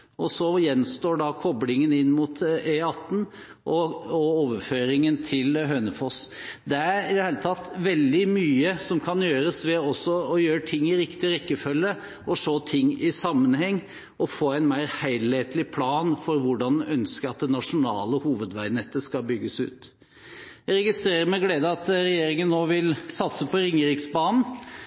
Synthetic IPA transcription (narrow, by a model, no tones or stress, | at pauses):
ʔɔsɔjɛnst̪oːɖɑkʰɔblɪŋənɪnːmʊt̪eɑt̪ːn̩ | ʔɔɔoːʋəɾføːɾɪŋənt̪ʰɪlɦøːnəfɔs | d̪ɛæɾɪd̪ɛheːlət̪ʰɑt̪ːʋɛld̪ɪmyːəsɔmkʰɑnjøːɾəsʋɛɔsːɔɔjøːɾʈʰɪŋːɪɾɪkt̪ɪɾɛkːəfœlːə | ɔʂoːt̪ʰɪŋːɪsɑmːənhɛŋː | ɔfoːæɪnmæɪɾhæɪlheːt̪lɪpʰlɑːnfɔɾʋʊɖɑnʔœnskəɾɑt̪̚d̪ɛnɑʂʊnɑ̰ːləhuːʋəd̪ʋæɪnɛt̪ːəskɑlbʏɡːəsʉ̰ːt̪ | jæɾɛɡɪst̪ɾeːɾəɾmɛɡleːd̪əɑt̪ɾɛjeːɾɪŋənːoːʋɪlsɑt̪səpʰɔɾɪŋːəɾɪksbɑːnn̩